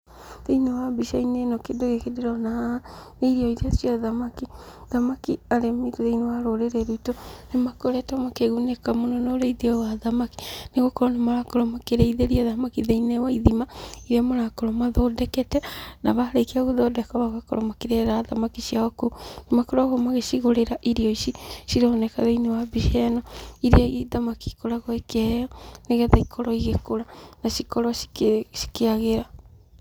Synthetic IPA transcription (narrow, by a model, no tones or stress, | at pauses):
ðeinewabiʃainenɔkedoɣekedeɾɔnaaaneiɾiɔiɾeasiaðamaki | ðamakiaɾemetoðeinewaɾoɾeɾɛɾutonemakoɾɛtamakeɣunekamonɔnoɾeiðiɔɣaðamaki̥neɣokɔɾɔnemaɾakoɾɔmakeɾɛiðeɾiaðamakiðeinɛwaiðimaiɾiamoɾakoɾɔmaðɔdɛkɛtɛnaβaɾeikeaɣoðɔdɛkɔβaɣakɔ̰ɾɔmakeɾɛɾaðamakiʃiaɣɔkonemakoɾɔɣɔmaɣeʃiɣoɾeɾaʔiɾiɔisiʃiɾɔnɛkaðeinewabiʃɛnɔiɾiaiðamaki̥koɾaɣɔekɛɔneɣɛðaikʰɔɾɔiɣekoɾanaʃikɔɾɔʃi̥ʃi̥keaɣeɾa